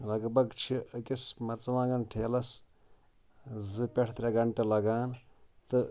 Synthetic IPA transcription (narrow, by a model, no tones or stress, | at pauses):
lɐɡbɐɡt͡ʃʰikismɐt͡sʋãːɡɐnʈʰeːlɐs | zɨpʲeʈʰt̪ɾʲeɡɐɳʈelɐɡaːnt̪ɨ